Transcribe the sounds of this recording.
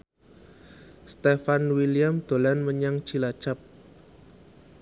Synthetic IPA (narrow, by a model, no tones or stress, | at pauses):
st̪efanwiliamd̪̥o̤lanməɲaŋt͡ʃilḁt͡ʃap̚